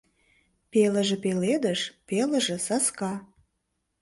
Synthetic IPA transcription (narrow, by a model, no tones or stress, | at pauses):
pelə̆ʒĕpeled̪ə̆ʃpelə̆ʒĕsɑskɑ